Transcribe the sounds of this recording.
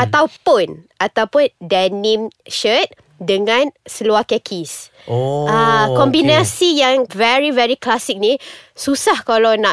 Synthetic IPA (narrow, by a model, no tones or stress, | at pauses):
ʔat̪awpʊnʔat̪awpʊndɛnĩmʃət̪̚ | dəŋãnsəluahkɛkʰis | akɔmbinasijãŋvɛɹivɛɹiklasɪk̚nisusahkalawnã